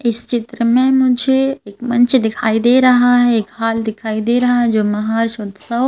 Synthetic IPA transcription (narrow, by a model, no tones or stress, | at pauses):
ɪst͡ʃɪt̪ɾəmẽmʊd͡ʒʱeeːkmɐ̃nt͡ʃd̪ɪkʰaːid̪eɾɐɦaɦɛeːkhaːld̪ɪkʰaːid̪eɾɐɦaɦɛd͡ʒoːmɐɦaːɾʃoːd̪sɐw